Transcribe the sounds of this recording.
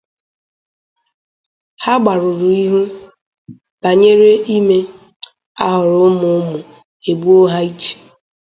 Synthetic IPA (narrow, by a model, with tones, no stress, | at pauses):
ha˦ɡ͡ba˨ɾʊ˨ɾu˨i˦ɦu˦ | b̥a˨ɲe˦ɾe˦i˦me˦ | a̰˦ɦʊ˨ɾʊ˨˦ʊ˦mʊ˨ʊ˦mʊ˨ | e˨bu˦o˦ɦa˦i˦t͡ʃe̥˨